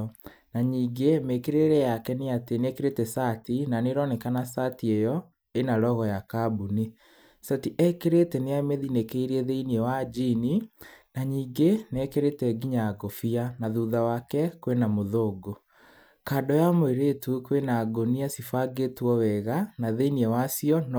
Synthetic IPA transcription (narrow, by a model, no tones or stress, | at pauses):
naɲiːŋɡemekeɾeɾɛjakɛneatenɛkeɾetɛsatinaneɾɔnɛkanasatiejɔ | enaɾɔɣɔjakabuni | satiʔɛkeɾetɛneameðinekeiɾiɛðeiniɛwad͡ʒininaɲiːŋɡenɛkeɾetɛɡiɲaɡofianaðuðawakɛkwenamoðoːɡo | kaːdɔjamoeɾetukwenaɡoniasifaɡetuɔwɛɣanaðeiniɛwasiɔn